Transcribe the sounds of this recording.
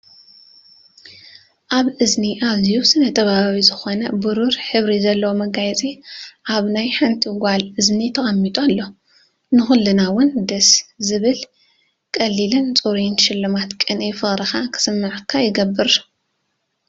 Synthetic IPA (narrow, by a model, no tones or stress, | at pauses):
ʔaβʔɨzniʔaβzijusɨnɐt̪ʰʼɐβaaβizɨxo̞nɐbuɾuɾħɨβɾizɐlːɐwomɐɡajt͡sʼiʔaβnajħant̪ʰiɡʷalʔɨznit̪ʰɐxʼɐmːit̪ʼalːo̞ | nɨxɨlːɨnawʊnd̪ɐszɨβɨl | kʼɐlːilɨnt͡sʼuɾinʃɪlːɨmat̪kʼɨnʔefɨxʼɾɐxakʰɨ̥sɨmːɨʕkʰːajɪɡɐbːɨɾ